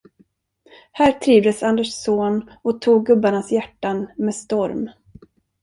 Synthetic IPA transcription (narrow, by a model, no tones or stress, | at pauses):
hæːɾt̪ʰɾiːvd̪əsand̪əʂsoːn | ɔt̪ʰuːɡːɵbːaɳasjæʈːanmeːst̪ɔɾm